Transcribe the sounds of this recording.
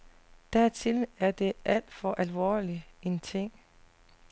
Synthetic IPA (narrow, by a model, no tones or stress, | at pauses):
d̥æɐt͡sʰe̝læɐd̥e̝ʔæl̰d̥fɒ̽ʔælʋɒ̰ːlie̝nt͡sʰe̝ŋ̰